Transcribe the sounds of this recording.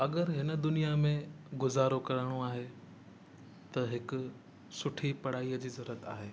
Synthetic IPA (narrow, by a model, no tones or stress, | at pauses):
ɐɠəɾɦɪnə̆d̪ʊnijamẽ | ɡʊzaːɾokɐɾəɽ̃oaːɦe | t̪ɐɦɪkʊ | sʊʈʰipɐɽ̤aːijəd͡ʑiːzɐɾuɾət̪a̰ːɦeː